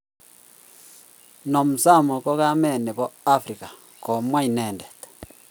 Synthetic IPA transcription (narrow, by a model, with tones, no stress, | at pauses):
no˨mu˨sa˦˨mo˨ko˦ɣa˦mɛ˦˨ne˨βo˦a˦fɾi˨ka˨ | ko˨mwa˦i˨ne˨nde˨t